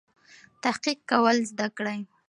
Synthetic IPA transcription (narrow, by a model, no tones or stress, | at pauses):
t̪ahqiq̚kawəlzd̪akɽaj